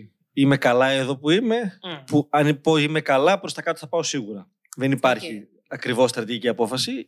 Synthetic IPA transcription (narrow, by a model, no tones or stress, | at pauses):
ime̞kɐlɐe̞ðo̞puime̞puɐnipoime̞kɐlɐpɾost̪ɐkɐt̪oθɐpɐo̞siɣuɾɐ | ðe̞nipɐɾçi | ɐkɾivo̞st̪ɾɐt̪iʝiciɐpo̞fɐsi